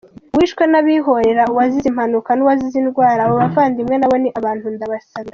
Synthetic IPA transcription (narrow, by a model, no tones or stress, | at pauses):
wiːʃkwenaβiɦo̞ɾe̞ɾauwazizim̥hanukanuwazizinɡwaːɾaβoβavaːndimŋenaβo̞niʔaβaːnthundaβasaɡa